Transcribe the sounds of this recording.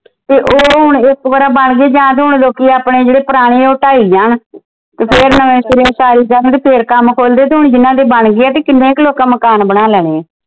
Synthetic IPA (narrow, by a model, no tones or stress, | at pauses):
t̪eːʔoːɦʊɳɪkʋəɾaːbəɳɡeeːd͡ʒãːt̪eːɦʊɳloːkiːaːpɽẽːd͡ʒeːɽeːpəɾaːɽ̃eːoːʈaːiːd͡ʒaːɳ | t̪eːpʰeɾnəʋẽːsɪɾeõːsaːɾiːkəɾənt̪eːpʰeːɾkəmkʰoːld̪eːt̪̬eːɦʊɳd͡ʒɪnãːd̪eːbəɳɡeːaːt̪eːkɪnːẽːɪkloːkãːməkaːnbəɽaːlɛːɽeː